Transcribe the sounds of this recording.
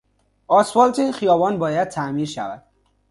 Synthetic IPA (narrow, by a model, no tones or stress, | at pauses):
ɒːsfɒːlt̪ʰixijɒːbɒːnbɒːjæd̪̚t̪ʰæmiːɾʃæ̰væ̰d̪̥